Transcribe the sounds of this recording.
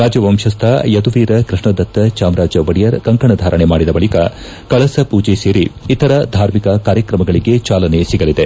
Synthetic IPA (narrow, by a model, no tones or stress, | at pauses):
ɾaːd͡ʒɐʋɐmʃɐst̪ʰɐjɐd̪uʋiːɾɐkɾiʂɳɐd̪ɐt̪ːɐt͡ʃaːmɾaːd͡ʒɐʋɐɽijɐɾkɐŋkɐɳɐd̪ʱaːɾɐɳemaːɽid̪ɐbɐɭikɐ̰ | kɐɭɐsɐpuːd͡ʒeseːɾiit̪ɐɾɐd̪ʱaːɾmikɐkaːɾjɐkɾɐmɐɡɐɭiɡe̞t͡ʃaːlɐnesiɡɐlid̪e